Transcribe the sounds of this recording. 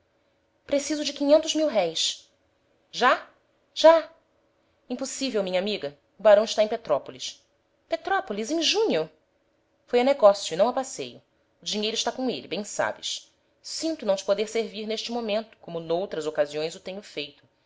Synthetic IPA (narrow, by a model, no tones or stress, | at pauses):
pɾesizʊd͡ʒɪkĩɲẽnt̪ʊzmiwɦɛjs | ʒa | ʒ̥a | ĩposivewmĩɲɐamiɡɐ | ʊbaɾɐ̃w̃ɪʃt̪aẽpet̪ɾɔpolis | pet̪ɾɔpolizẽʒũɲʊ | fojɐneɡɔsjʊinɐ̃w̃ɐpasḛjʊ | ʊd͡ʒiɲejɾʊɪʃt̪akõelɪbẽj̃sa̰bɪs | sĩnt̪ʊnɐ̃w̃t͡ʃɪ̥pod̪eɾseɾviɾneʃt͡ʃɪmomẽnt̪ʊ̥kõmʊnowt̪ɾɐzokaziõj̃zʊt̪ẽɲʊfejt̪ʊ̥